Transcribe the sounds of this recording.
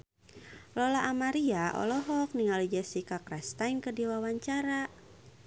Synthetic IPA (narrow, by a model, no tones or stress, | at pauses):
lɔlaʔːmaɾiaʔɔ̰lɔɦɔk̚niŋalid͡ʒasikakɾast̪ainkədiwawaɲt͡ʃaɾa